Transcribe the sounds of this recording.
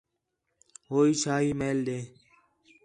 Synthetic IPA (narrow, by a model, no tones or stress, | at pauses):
ɦoːiːt͡ʃʰaːɦiːmeːld̪eː